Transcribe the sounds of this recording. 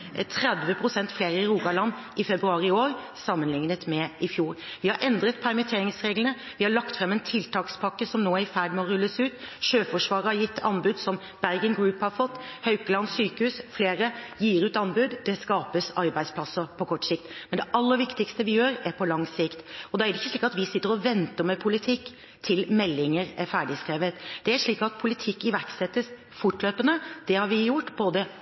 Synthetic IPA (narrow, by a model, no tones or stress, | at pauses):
t̪ʰɾɛd̪ʋəpʰɾʊsɛnt̪fleːɾəɪɾuːɡɑlɑnːɪfɛbɾʉɑːɾɪoːɾ | sɑmːənlɪŋnət̪mɛɪfjuːɾʋɪhɑɾʔɛnd̪ɾət̪pʰæɾmət̪ʰeːɾɪŋsɾeːɡlənə | ʋɪhɑɭɑkt̪fɾɛmːɛnt̪ʰɪlt̪ʰɑːkspʰɑkːəsɔmnoːæɾfæːɖmɛɔɾʉlːəsʉːt̪ʃøːfɔʂʋɑːɾəhɑɾjɪt̪ːɑnbʉd̪sɔm | b̥æɾɡənɡɾʉːphɑɾfɔt̪ːhœʉkəlɑnsyːkəhʉːsfleːɾəjiːɾʉːt̪ɑnbʉd̪d̪ɛskɑːpəsɑɾbæɪspʰlɑsːəpʰɔkʰɔʈːsɪkt̪mɛnd̪ɛʔɑlːəɾʋɪkt̪ɪkst̪əʋɪjøːɾæɾpʰɔlɑŋsɪkt̪ɔd̪ɛæɾɛɪçːəʂɭiːkɑt̪ʋɪsɪt̪ːəɾɔʋɛnt̪əɾmɛpʰʊlɪt̪ʰɪkː | t̪ʰɪlmɛlːɪŋəɾæɾfæːɖɪskɾeːʋət̪d̪̥ɛæɾʂɭiːkɑt̪̚pʰʊlɪt̪ʰɪkːɪʋæɾksɛt̪ːəs | fʊʈløːpənəd̪̥ɛhɑɾʋɪjʊʈːboːd̪ə